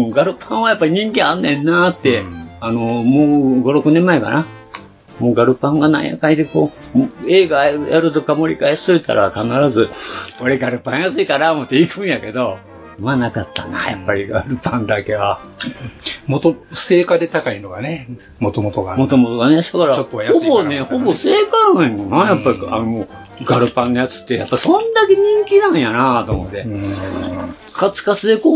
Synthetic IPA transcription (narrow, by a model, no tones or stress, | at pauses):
ɡaɾɯ̟pʰãɰ̃ajapːaɾʲiɲ̟ĩŋkẽanːẽnːat̪ːeano̞moːɡo̞ɾo̞kɯ̟nẽmːaeka̰na | moːɡaɾɯ̟pãŋɡana̰ḭja̰kaɲid̪eko̞ː | e̞ːɡajaɾɯ̟t̪okamo̞ɾʲḭkaessoit̪a̰ɾʔakanaɾazɨoɾeɡaɾɯ̟pãɰ̃jasɨikaɾaomot̪ːeikɯ̟̃ɰ̃jake̞d̪o̞ | manakat̪ːa̰na̰ja̰pːaɾʲiɡaɾɯ̟pãnd̪ake̞βa | mot̪oseːkad̪et̪akainoɡane | mot̪omot̪oɡamo̞t̪o̞mo̞t̪o̞ɡanesakaɾaot̪ːojaoboneho̞bo̞se̞ːkãonajapːaɾʲiano | ɡaɾɯ̟pãnːojat͡sɨ̥t̪ːe̞ja̰pːasõ̞nd̪ake̞ɲ̟ĩŋkʲinãɰ̃janat̪o̞mo̞̰t̪ːe̞ | kʰat͡sɨ̥kat͡sɨd̪e̞ko